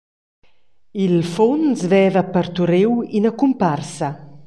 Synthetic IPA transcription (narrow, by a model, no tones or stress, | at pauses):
ilfonsvɛːvapəɾt̪uɾewinəkumparsɐ